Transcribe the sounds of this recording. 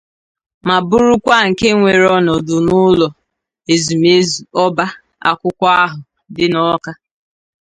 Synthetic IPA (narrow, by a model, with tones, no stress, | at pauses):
ma˨bʊ˦ɾʊ˦kʷa˦˨ŋ̩˨ke˦ŋʷe˨ɾɔ˦nɔ˨dʊ˨nʊ˦lɔ˨ | e˨zu˨me˦zu˨ɔ˦ba˦ | a̰˨kʷʊ˦kʷa˦a˦ɦʊ˨ | dɪ˦nɔ˦ka˦